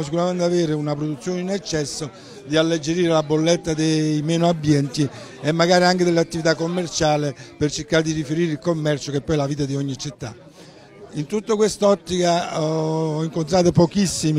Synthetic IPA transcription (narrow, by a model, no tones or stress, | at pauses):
s̬ikuɾament̪aveːɾeunapɾod̪ut̪sːjoːninɛt͡ʃːɛsːo | d̪ialːed͡ʒeɾiːɾelabːolːet̪ːad̪ejmɛːnʊabːjɛnt̪i | emːaɡaːɾiaŋkɪd̪eleat̪ːivit̪akːomːert͡ʃaːlepert͡ʃeɾkaɾed̪irifeɾiːɾilkomːɛrt͡ʃokepːɔjɛlaviːt̪ad̪iɔɲːit͡ʃit̪ːa̰ | int̪ut̪ːokwest̪ɔt̪ːikaɔɔiŋkont̪ɾaːt̪opɔkisːimi